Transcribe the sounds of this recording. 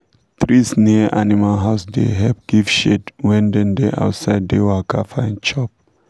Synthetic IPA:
t̪ɹisniʔanimalɦaʊsdḛɦɛp̚ɡ̥ivʃedwɛ̃ndɛ̃ndeʔa̰ʊtsaɪddewakʰafaɛ̃nt͡ʃɔp̚

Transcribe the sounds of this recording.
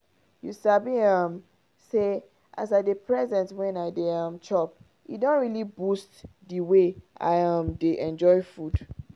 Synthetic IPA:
jusabiʌ̃m | se | ʔa̰saɪdepʰɹɛzɛ̃ntwɛ̃naɪdeʌ̃mt͡ʃɔp̚ | ḭdɔ̃ntɹilibustdiweʔa̰ɪʌãmdeʔɛ̃nd͡ʒɔɪfud

